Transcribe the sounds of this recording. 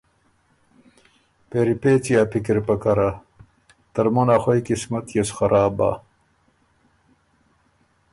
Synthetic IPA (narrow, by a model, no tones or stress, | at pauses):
peɾipet͡sijapʰikiɾpɐkɐɾa | t̪ɐɾmonaxojkismɐt̪jesxɐɾʔaːba̰